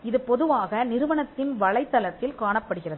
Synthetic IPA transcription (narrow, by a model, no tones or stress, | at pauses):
ɪðɯpɔðɯʋaːɣɐnɪɾɯʋɐɳɐt̪ːɪnʋɐɭɐɪt̪ːɐlɐt̪ːɪlkaːɳɐpːɐɽɯɣɪrɐðɯ